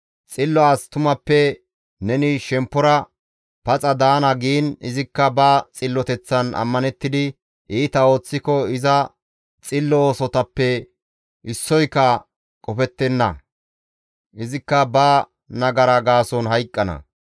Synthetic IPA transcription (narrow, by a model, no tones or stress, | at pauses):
t͡sʼɪlːɔast̪ʊmɐpːɛ | nɛnɪʃɛmpːɔɾɐ | pɐt͡sʼɐd̪aːnɐɡiːnɪzɪkːɐbɐt͡sʼɪlːɔt̪ɛt͡sːɐnɐ̰mːɐnɛt̪ːɪd̪ɪ | ʔiːt̪ɐo̞ːt͡sːɪkɔɪzɐ | t͡sʼɪlːɔoːsɔt̪ɐpːɛ | ɪsːɔjkːɐ | kʼɔfɛt̪ːɛnːɐ̰ | ʔɪzɪkːɐbɐ | nɐɡɐɾɐɡaːsɔnɦɐjkʼːɐnɐ̰